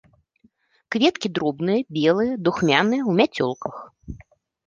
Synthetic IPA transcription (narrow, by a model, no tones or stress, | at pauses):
kvʲɛt̪kʲid̪ɾɔbnɨjɐbʲɛlˠɨjɐd̪uxmʲanɨjɐwmʲat͡sʲɔ̰lˠkʰɐx